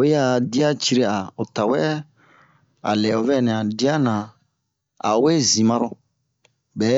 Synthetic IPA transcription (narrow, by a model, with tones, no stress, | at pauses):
e˦a˦˨di˦a˦t͡ʃi˦ɾe˦a˨o˨ta˨wɛ˦ | a̰˨lɛ˨o˨vɛ˦˨nɛ̃˨a˨di˦a˦nã˨ | a̰˨˦we˦zĩ˨mã˧ɾɔ˦ | bɛ˨˦